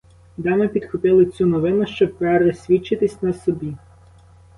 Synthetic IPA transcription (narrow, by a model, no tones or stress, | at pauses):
d̪ɑnɔpʲid̪xʊpɪlˠɪt͡sʲunɔʋɪnʊʃt͡ʃɔb̚pɛɾɔsʲʋʲit͡ʃːɪt̪ɪsʲnɐsɔbʲi